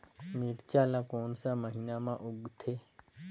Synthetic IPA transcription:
miːɾt͡ʃaːlaːkoːnsaməɦiːnaːmãʔʊɡt̪ʰeː

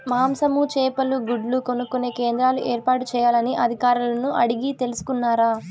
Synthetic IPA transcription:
maːmsɐmut͡ʃɛːpɐluɡuɖluko̞nukuneːke̞ːnd̪ɾaːluʔeːɾpaːʈut͡ʃɛːjaːlɐniʔɐd̪ʱikaːɾulɐnuʔɐɽiɡit̪e̞lusu̥kunːaːɾaː

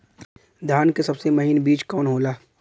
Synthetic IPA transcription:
d̪ʱjaːnkesɐbsemɐɦinbiːt͡ʃkɔːnɦoːlaː

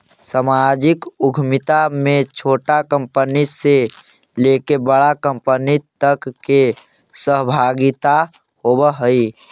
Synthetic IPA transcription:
samad͡ʒikʊɡʱmɪt̪amẽt͡ʃʰoːʈakə̃mpənise | lekebəɽakəmpənit̪əkːe | səɦbʱaɡit̪a | hobəɦəi

